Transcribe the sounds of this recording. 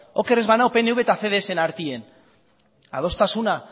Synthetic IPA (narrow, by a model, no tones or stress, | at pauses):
o̞ke̞ɾezβanawpeneuβet̪aθeðeese̞naɾt̪ien | a̰ð̞o̞st̪asuna